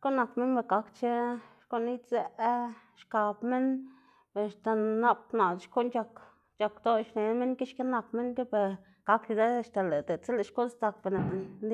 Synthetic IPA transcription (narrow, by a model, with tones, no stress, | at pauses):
ʃko˦na˧kme˦nbe˧˨ɡa˧˦kt͡ʃe˦ʃko˧˦ni˦t͡se˧ | ʃka˧bme˦n | be˨ʃt̪a˨na˧p̚na˨d̪ʃko˦ʔnt͡ʃa˧k | t͡ʃa˧kd̪o˧ʃne˨˦me˦ŋke˦ʃke˦na˧kme˦nke˦be˨ | ka˧˦kju˧d̪e˦˧ʃt̪a˨le˨d̪e˨t͡se˦le˨ʃko˦st̪a˧kbe˨ne˨n˧nd̪